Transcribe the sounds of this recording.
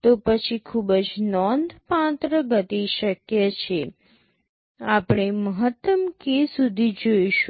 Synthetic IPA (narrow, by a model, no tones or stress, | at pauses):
t̪opət͡ʃʰikʰubəd͡ʒnɔnd̪pãt̪ɾəɡət̪iʃəkjet͡ʃʰe | apɳ̃eməɦət̪ːəmkesud̪ʱid͡ʒoiʃu